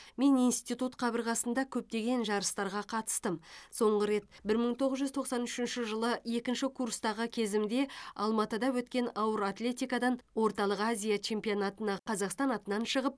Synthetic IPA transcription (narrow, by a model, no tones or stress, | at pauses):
me̞nijnst̪ijt̪ut̪qʰɑbəɾʁɑsənd̪ɑkʲʰɵp̚t̪e̞ɡʲe̞nʒɑɾəst̪ɑɾʁɑqʰɑt̪ə̥st̪əmso̞ɴʁəɾe̞t̪bɪɾməɴt̪ʰo̞ʁəzʒʏzt̪ʰo̞qsɑnʏʃɪnʃɪʒəlˠəje̞kʲɪnʃɪkʰurst̪ɑʁəkʲʰe̞zɪmd̪e̞ɑ̰lˠmɑt̪əd̪ɑwɵt̪kʲe̞nɑwəɾat̪lʲe̞t̪ijkɑd̪ɑnwo̞ɾt̪ɑlˠəqazʲijat͡ʃʰe̞mpijonat̪ənɑqʰɑzɑqst̪ɑnɑt̪ənɑnʃəʁəp